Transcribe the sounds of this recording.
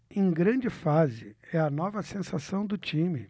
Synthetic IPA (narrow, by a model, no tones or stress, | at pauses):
ẽj̃ɡɾɐ̃d͡ʒɪfazɪɛɐnɔvɐsẽsasɐ̃w̃d̪ʊt͡ʃĩmɪ